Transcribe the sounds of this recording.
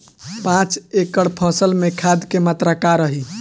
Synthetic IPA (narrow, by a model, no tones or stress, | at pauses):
pãt͡ʃekəɽpʰɔ̃səlmekʰad̪kemat̪ɾakaɾəɦi